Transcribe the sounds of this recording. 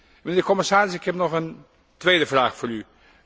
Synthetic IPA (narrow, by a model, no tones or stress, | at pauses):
mɪndəkɔməsaːɾɪsɪkhɛpnɔχən | tʋeːdəvraːxfʊːry